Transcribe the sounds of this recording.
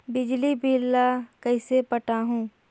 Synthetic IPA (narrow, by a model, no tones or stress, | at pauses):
bɪd͡ʒlibʱɪlːakɐisepɐʈaɦũː